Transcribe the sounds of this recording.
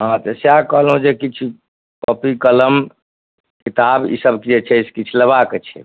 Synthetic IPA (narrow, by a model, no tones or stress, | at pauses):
ɦãt̪eseakəɦlɦũd͡ʒekit͡ʃʰu | pəpikələm | kit̪abḭsəbkid͡ʒet͡ʃʰɛiskit͡ʃʰuləβaket͡ʃʰɛ̰